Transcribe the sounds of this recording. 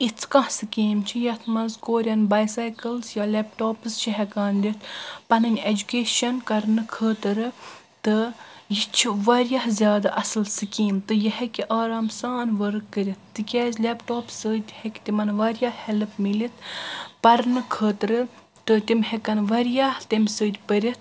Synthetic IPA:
it͡sʰkɐ̃hsɨkeːmt͡ʃʰijɐt̪ʰmɐnzkoːɾʲjɐnbɐːjsajkɨlzjalʲepʈoːpst͡ʃʰiɦɛkaːnd̪it̪ʰpɐnɨnʲed͡ʒukʲeːʃɐnkɐɾnɨkʰəːt̪ɨɾɨ | t̪ɨ | jit͡ʃʰiʋɐɾjɐhzʲjaːd̪aʔɐsɨlsɨkiːmt̪ɨjɐhekʲiʔaːɾaːmsaːnʋɐɾɨkːəɾʲit̪ʰːɨkʲaːzʲlʲepʈoːpsəːd̪ʲhekʲt̪imɐnʋɐɾjahɛlpmilit̪ʰpɐɾnɨkʰəːt̪ɾɨ | t̪ɨt̪imhekɐnʋɐɾjaht̪imʲsəːd̪ʲpəɾʲit̪ʰ

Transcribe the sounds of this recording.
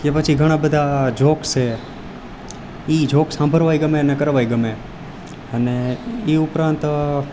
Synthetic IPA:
kepət͡ʃʰiɡʱəɽ̃ãbəd̪ʱad͡ʒʱokt͡ʃʰe | id͡ʒʱoksãmbʱəɾʋajɡəmeənekəɾʋajɡəme | əneiʊpɾãnt̪

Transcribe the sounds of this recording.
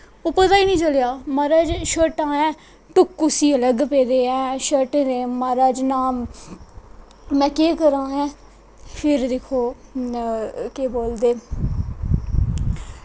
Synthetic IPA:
ʊpət̪aːiːnĩːt͡ʃəljaːmaːɾaːd͡ʒʃəʈãːɛ̃ː | ʈʊkːʊsiːələɡpeːd̪eːɛ̃ːʃəʈːɾeːmaːɾaːd͡ʒnaːm | mɛ̃ːkeːkəɾãːɦɛ̃ː | pʰɪɾd̪eːkʰoː | keːboːld̪eː

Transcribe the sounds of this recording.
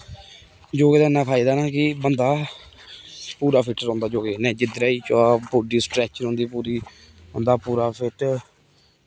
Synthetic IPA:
d͡ʒoːɡeːd̪aːnãːpʰaːid̪aːnaːkɪbənd̪aː | puːɾaːpʰɪʈɾɔ̃ːnd̪aːd͡ʒoːɡeːnɛ̃ːd͡ʒɪd̪ɾaːiːt͡ʃoaːboːɖiːsʈɾɛːt͡ʃənõːnd̪iːpuːɾiː | ɦʊ̰̃nd̪aːpuːɾaːpʰɪʈ

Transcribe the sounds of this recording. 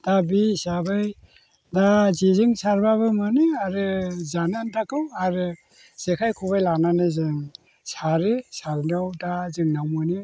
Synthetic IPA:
d̥abisabɯj | dazizɯŋsaɾbaβɯmanɯaɾɯzanantakʰɯwaɾɯ | z̥ekʰajkʰubajlananɯzɯŋ | saɾɯsaɾdawdazɯŋnawmɯnɯ

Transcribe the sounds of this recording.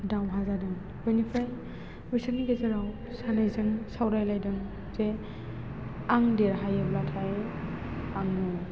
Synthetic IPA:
dawɦazadɯŋ | bɯnipʰaj | bisaniɡezeɾaw | sanajzɯŋsawɾajlajdɯŋ | ze | aŋdeɾɦajɯblatʰaj | aŋu

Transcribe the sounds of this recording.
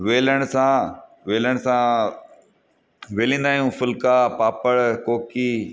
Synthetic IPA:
ʋeːləɽ̃sãʋeːləɽ̃sã | ʋeːlĩːnd̪aːɦijũfʊlkaːpaːpəɭkoːkiː

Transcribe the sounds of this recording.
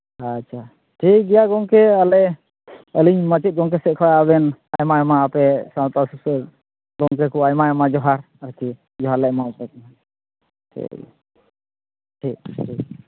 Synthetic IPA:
at͡ʃʰa | ʈʰik̚ɡɛjaɡɔŋkɛalɛ | əliɲmət͡ʃit̪̚ɡɔŋk̬ɛsɛʔ̚kʰɔjabɛnajmajamaapɛsawt̪asus | ɡɔŋk̬ɛkuajmajamad͡ʒɔɦaɾ | əɾki | d͡ʒɔɦaɾlɛʔmaɔpɛkna | tʰḭ | ʈʰik̚ʈʰik̚

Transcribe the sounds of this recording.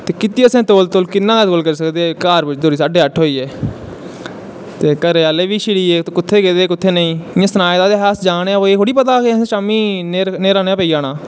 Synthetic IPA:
t̪eːkɪt̪iːəsẽːt̪oːlt̪olkɪnːãːat̪olkəɾiːs̬əkd̪eːkaːɾʋɪt͡ʃd̪oːɾiːsaːɖeːəʈʰːɦoːiːeː | t̪eːkəɾeːaːleːʋiːʃɪɽiːeːt̪ːkʊt̪ʰːeːkeːd̪eːkʊt̪ʰːeːnəĩːɪjãːsənaːjd̪aːd̪eːɦɛːsd͡ʒaːneãːoeːkoːɽiːpət̪aːkeẽːʃaːmiːneːɾneːɾaːneaːpəiːaːnaː

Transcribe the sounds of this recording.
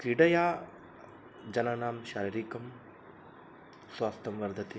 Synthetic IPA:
kɾiɖɐjaː | d͡ʒɐnɐnaːmʃaːɾɐɾikɐm | sʋaːst̪ɐmʋɐɾd̪ʱɐt̪i

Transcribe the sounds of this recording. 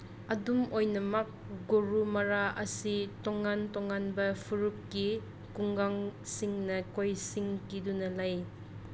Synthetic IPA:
ɐdumojnɐmɐk̚ɡoɾumɐɾaɐsitɔŋːantɔŋanbɐpʰuɾup̚ki | kuŋɡaŋsiŋnɐkojsiŋkidunɐlaj

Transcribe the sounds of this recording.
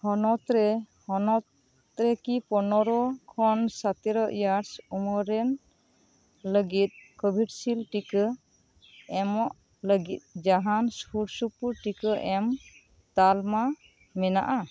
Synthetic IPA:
hɔnɔt̪ɾɛ | hɔnɔt̪ | ɾɛkipɔnɔɾɔkʰɔnsat̪iɾɔʔjaɾsumɔɾɛn | ləɡit̪̚kɔbʱiɖsilʈikə | ɛmɔʔ | ləɡit̪̚d͡ʒaɦanspuɾsupuɾʈikəʔɛm | t̪alma | mɛna̰ʔa

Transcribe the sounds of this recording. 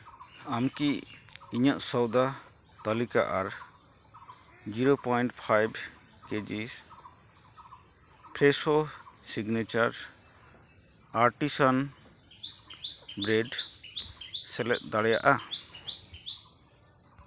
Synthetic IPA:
amkiiɲaʔsɔwd̪a | t̪alika̰ʔaɾ | d͡ʒiɾopɔjɳʈpʰajb | ked͡ʒis | pʰɾɛsosiɡnɛt͡ʃaɾ | aɾʈisan | bɾɛɖ | sɛlɛ̰ʔ̪̚d̪aɽɛja̰ʔa

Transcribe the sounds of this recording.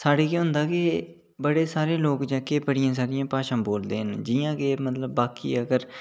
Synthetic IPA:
saːɽeːkeɦʊ̃nd̪aːkɪ | bəɽeːsaːɾeːloːkd͡ʒɛːkeːbəɽɪjãːs̬aːɾɪjãːpaːʃãːboːld̪ḛːɦənd͡ʒɪjãːkeːmət̪ləbːaːkḭːəɡəɾ

